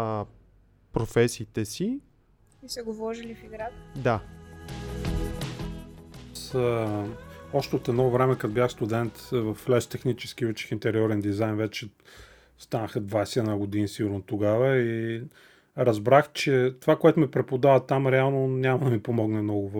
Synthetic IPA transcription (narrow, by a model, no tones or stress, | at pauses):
pɾofɛsiːt̪ɛsi | isɛɡovɔʒilifiɡɾat̪d̪a | s | ɔʃt̪ɛot̪ɛnɔvɾɛmɛkɐt̪obʲjaxst̪ud̪ɛnt̪vɐflɛʃt̪ɛxnit͡ʃɛ̥sk̟iut͡ʃɛ̥xint̪ɛɾiɔɾɛnd̪izajnvɛt͡ʃɛ | st̪anəxəd̪vajsɛɛd̪naɡʊd̪inisiɡʊɾnot̪oɡavəi | ɾɐzbɾaxt͡ʃɛt̪ovakoɛt̪ʊmipɾɛpod̪avət̪amɾɛalˠnonʲamɐd̪ɐmipomɔɡnɛmnɔɡʊv